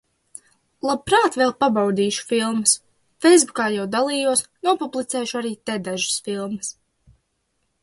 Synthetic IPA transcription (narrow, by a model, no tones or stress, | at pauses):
lˠab̚pɾaːt̪vɛlˠpabawd̪iːʃu̥filˠməs | fɛjzbukaːjawd̪alˠiːjuɔsnuɔpublˠit̪sɛːʃʊaɾiːt̪ɛd̪aʒɨ̥sfilˠməs